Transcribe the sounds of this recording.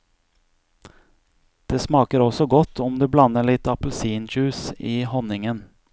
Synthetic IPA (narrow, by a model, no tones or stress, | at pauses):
d̪̥eːsmɑːkəɾɔsɔɡɔt̪ʰːʊmd̪eːblɑnəɭɪt̪ɑpəl̩siːnd͡ʒʉːsiːhɔnɪŋən